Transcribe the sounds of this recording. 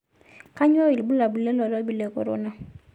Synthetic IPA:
ka˦ɲ˦ɔ˦wi˨lbu˦la˨bu˨le˦lɔ˨lɔ˦bi˨le˨ko̰˨ɾo̰˦na˦

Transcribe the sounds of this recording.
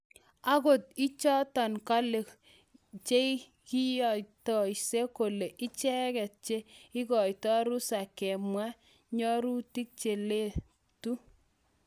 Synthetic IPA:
a˦ko˨ti˦t͡ʃɔ˦ta˨nka˦le˨k | t͡ʃe˦i | ki˦jɔ˨jtɔ˨jse˦ko˨le˨ʔɪ˦t͡ʃɛ˦kɛ˨t̚t͡ʃe˦ɪ˦kɔ˨jtɔ˦ɾu˦sa˨kɛ˨mwa˦ | ɲɔ˦ɾu˦ti˦k̚t͡ʃe˨le˦ | tu˦

